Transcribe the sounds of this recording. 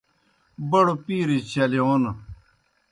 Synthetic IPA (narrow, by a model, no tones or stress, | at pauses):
bɐɽopiːɾit͡ɕɐlion